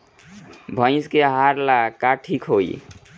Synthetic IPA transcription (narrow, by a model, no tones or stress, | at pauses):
bʱʌj̃skeɦaɾlakaʈʰikʰɦoj